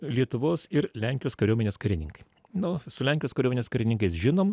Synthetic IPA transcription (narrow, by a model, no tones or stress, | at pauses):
lʲiɛt̪ʊʋoːsɪɾlʲɛŋʲkʲɪjoːskɐɾʲuɔːmʲeːnʲeːskɐɾʲɪnʲɪ̰ŋkɐ̥ɪ | nosʊlʲɛŋʲjoːskɐɾʲoːmʲenʲeːskɐɾʲɪnʲɪŋkɐɪsʒʲɪnoːm